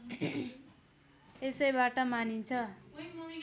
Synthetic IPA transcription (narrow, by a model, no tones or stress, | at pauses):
esʌjbaʈʌmanint͡sʰʌ